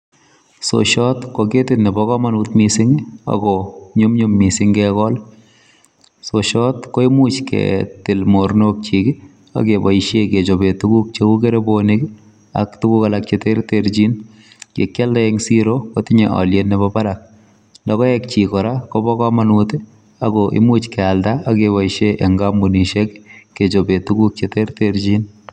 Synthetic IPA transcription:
so̰ʃɔtkoketɪtnɛbɔkɔmanutmisɪŋa̰ɡɔɲumɲumːisɪŋɡɛkɔl | soʃɔtkoemut͡ʃkʰɛ̰tɪlmoɾnok̚t͡ʃikɪ | a̰kebɔiʃeket͡ʃobetukuk̚t͡ʃekukeɾebonik | a̰ktukukalak̚t͡ʃeteɾteɾd͡ʒin | kḛkjaldaeŋsiɾokotɪɲeʔɔ̰ljenːɛβabaɾak̚ | ndɔkɔɛk̚t͡ʃikɔɾakɔbɔkɔmanute | aɡɔʔɪ̰mut͡ʃkɛaldaakebaiʃeʔeŋɡambuniʃekːet͡ʃobetuɡuk̚t͡ʃeteɾteɾd͡ʒin

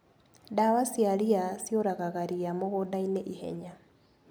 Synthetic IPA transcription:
dawasiaɾiasjoɾaɣaɣaɾiamoɣodaineʔihɛ̰ɲa

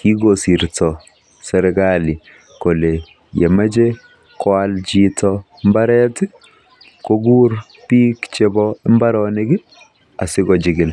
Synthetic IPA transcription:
kiɡosiɾtɔ | sɛɾɛkali | kole | jemad͡ʒe | kɔald͡ʒitɔ | mbaɾɛtɪ | koɡuɾ | piːkt͡ʃebɔɛmbaɾɔnɪɡɪ | a̰sɪɡɔd͡ʒɪɡɪl

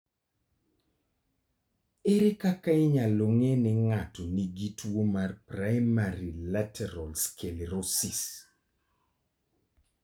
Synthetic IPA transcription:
ɪɾɪkakaɪɲaloŋenɪŋatɔniɡitwomarprajmaɾilatʰɛɾɔlskeleɾosis

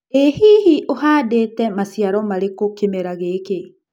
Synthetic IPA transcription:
ehiːɦiʔoɦaːdeːtɛmasjaɾɔmaɾekokemeɾaɣeːke

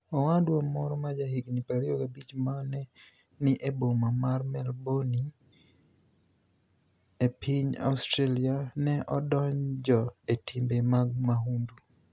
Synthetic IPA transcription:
ɔwadwamɔɾɔmad͡ʒahiɡnipaɾɪokabit͡ʃmanɛ | nɪʔebomamarmɛlboni | epʰiɲa̰ustɾelianɛʔɔdɔɲd͡ʒɔetʰimbemaɡ̚maɦundu

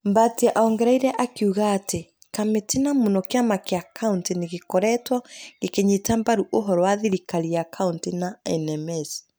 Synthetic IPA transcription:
mbatiɛʔaɔŋɡɛɾaiɾɛʔakiuɣaːte | kametenamonɔkeamakeakʰaunteneɣekɔɾɛtwɔɣekeɲetambaɾuʔoɦɔɾɔwaðiɾikaɾiakʰauntinaɛnɛmɛs

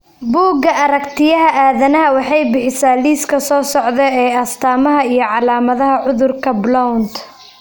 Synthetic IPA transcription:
buːɡɐʔɐɾɐkt̪ʰɪjɐɦɐʔaːðɐnɐɦɐwɑħɑjbɪħɪsaːliːskʰɐsɔːsɔʕðɛɛːɐst̪ʰaːmɐɦɐijɞʕɑlaːmɐðɐɦɐʕʊðʊrkʰɐblɔwnt̪

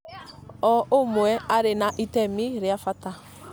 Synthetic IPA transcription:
ɔomʊɛaɾenaʔitɛmiɾɪafata

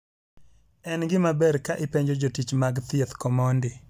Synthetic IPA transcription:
ɛnɡɪmabɛɾkaʔɪpeɲd͡ʒod͡ʒotit͡ʃmaɡt̪ɪɛt̪kɔmɔndɪ

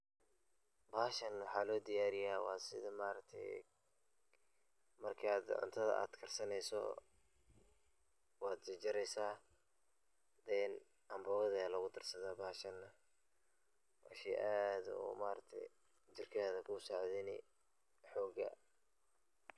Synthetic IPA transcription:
baːʃɐnwɑħɑːlɔːd̪ɪjaːɾɪjaːwɑ̰ːsɪ̰ðɐmaːɾɐk̚t̪ʰɛ̰j | mɐrkʰaːd̪ʕʊ̰nt̪ʰɐðɐ̰ʔa̰ːd̪kʰɐrsɐnɛjsɔ̰ | wɑːd̪t͡ʃɐd͡ʒɪɾɛjsaː | d̪ɛn | ʔɐmbɔwɐðɛlɐɣʊd̪ɪrsɐðaːbɐːʃɐnːɐ | ʔɑːʃiʔaːd̪ṵːmaːɾɐt̪ʰɛ̰j | t͡ʃɪrkʰaːðɐkʰʊsaʕðɪnɪ̰ | ħɔːɡɐ̰

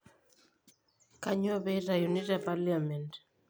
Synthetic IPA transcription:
kaɲɔβɛɾajunitapaliamɛnt

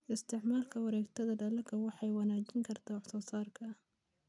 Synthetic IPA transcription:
ʔɪst̪ʰɪʕmaːlkʰɐwɑɾɛːɡt̪ʰɐðɐɖɐlɐkʰɐwɑħɑjwɑnaːt͡ʃɪŋkʰɐrt̪ʰaːwɑħsɔːsaːrkʰɐ

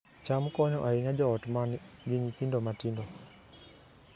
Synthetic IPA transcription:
t͡ʃamkɔɲɔʔaiɲad͡ʒɔːtmanɡɪɲikindomatindɔ

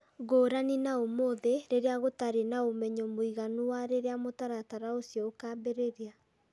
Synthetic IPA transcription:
ɣoːɾaninaomoðeɾeɾeaɣotaɾenaomɛɲɔmoiɣanuwaɾeɾeamotaɾataɾaosjɔokaːmbeɾeɾea

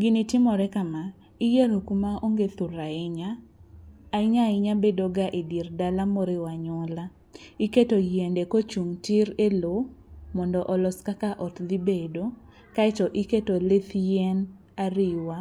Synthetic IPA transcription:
ɡɪnitɪmɔɾɛkama | ijeɾokumaoŋɡet̪uɾaɪɲaː | ɪɲaɪɲabedoɡaʔedirdalamoɾewaɲɔla | iketojendekot͡ʃuŋtɪɾelomɔndɔʔɔlɔskakaʔɔtd̪ibedo | kaɛtɔʔiketolet̪jɛn | aɾɪwa

